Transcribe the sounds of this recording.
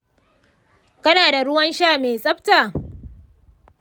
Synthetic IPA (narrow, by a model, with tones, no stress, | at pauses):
kɐ˦naː˨da˨ɽʊ˦wɐ˦nʃaː˦˨meː˨sʼɐ˦ɸtaː˨